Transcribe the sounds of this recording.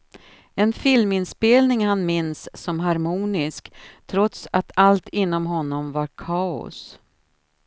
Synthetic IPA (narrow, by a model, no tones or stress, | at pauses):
ɛnfɪlmɪnspeːlnɪŋhanmɪnsːɔmɦaɾmuːnɪskt̪ʰɾɔt̪sat̪ʰalt̪ɪnːɔmɦɔnːɔmvaɾkʰɑːʊ̰s